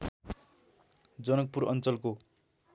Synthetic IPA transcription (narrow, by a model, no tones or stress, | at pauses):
d͡zʌnʌk̚puɾʌnt͡sʌlko